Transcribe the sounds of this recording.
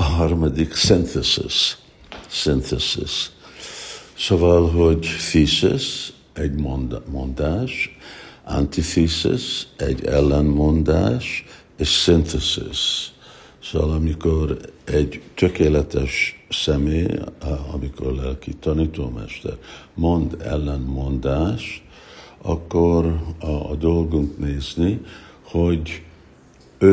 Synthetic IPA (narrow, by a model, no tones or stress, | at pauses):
ɦɒrmɒd̪iksint̪ɛsḭsː | int̪ɛsḭs | sovɒlɦo̞ɟfisḭs | ɛɟmnmond̪aːʃʔa̰nt̪ifisḭsɛ̰ɟɛ̰lːɛnmo̞nd̪a̰ːʃ | eːʃsint̪ɛsḭs | soʋɒlɒmiko̞ɾɛɟt̪økeːlɛt̪ɛʃsɛmeːɒ̰miko̞̰rlɛlkit̪ɒniːt̪oːmɛ̰ʃt̪ɛ̰ɾmo̞nd̪ɛ̰lːɛnmo̞nd̪aːʃt̪ | ɒkːoɾɒ̰d̪o̞lɡuŋkneːzniho̞ɟ | ø